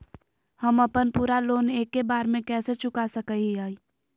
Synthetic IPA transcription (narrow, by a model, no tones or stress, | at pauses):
həməpənpuːɾaloːneːkːebaːɾmẽkɛːset͡ʃʊkasəkəiaːi